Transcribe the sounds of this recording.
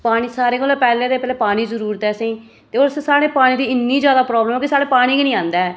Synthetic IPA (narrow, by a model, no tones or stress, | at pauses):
paːɽ̃iːsaːɾeːkolɛpɛːleːd̪eːpɛːleːpaːɽ̃iːzəɾuːɾət̪ɛːsẽiː | t̪eːoːɾssaːɽeːpaːɽ̃iːd̪iːɪnːiːd͡ʒjaːd̪aːpɾɔːbləmõkisaːɽeːpaːɽ̃iːkinĩːãːnd̪a